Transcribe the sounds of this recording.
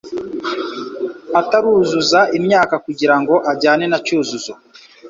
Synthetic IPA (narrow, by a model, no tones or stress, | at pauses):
ataɾuːzuzaʔimɲaːkakuɟiɾaŋɡo̞ʔaɟaːnenacuːzuzo